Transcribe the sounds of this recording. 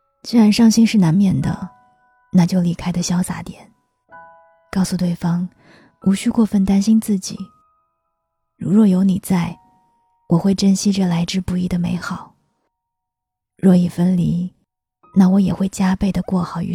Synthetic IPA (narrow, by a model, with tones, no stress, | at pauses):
t͡ɕi˥ɻa˧˥nʂɑ˥˧ŋɕi˥nʂɻ̩˥˩na˧˥nmjɛ˥˩nd̪ə̰˩ | na˥˧t͡ɕjo˥˩ʊli˧˥kʰa˥ɪd̪ə˨ɕjɑ˥ʊsa̰˧˥t̪jɛ˨˩˦n | kɑ˥˩ʊsu˧t̪we˥˩ɪfɑ˥ŋ | u˧˥ɕy˥˧kwɔ˥˧fə˥˩nt̪a˥nɕi˥nt͡sɹ̩˥˩t͡ɕḭ˨˩˦ | ɻu˧˥ɻwɔ˥˩jo˧˥ʊni˨˩t͡sa˥˩ɪ | wʔɔ˨˩xwe˥˩ɪʈ͡ʂə˥nɕi˥ʈ͡ʂə˨la˧˥ɪʈ͡ʂɻ̩˥˧pu˧˥i˥˩d̪ə˩me˧˥ɪxɑ˨˩˦ʊ | ɻwɔ˥˩i˨˩fə˥nli˧˥ | na˥˩wɔ˧˥jɛ˨˩xwe˥˩ɪt͡ɕja˥pe˥˩ɪd̪ə˩kwɔ˥˩xɑ˨˩ʊy̰˧˥